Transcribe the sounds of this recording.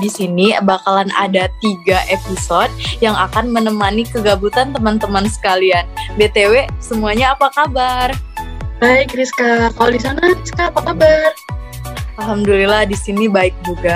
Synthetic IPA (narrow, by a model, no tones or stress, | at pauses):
disinibakalana̰dat̪iɡaʔepisod̚jaŋakanmənəmanikəɡabut̪ant̪əmant̪əmansə̥kalianbet̪ewesəmuaɲaːpakabarbaikriskakaladisanaɾiskaːpakabar | alɦamdulilahdisinibaɪk̚d͡ʒuɡa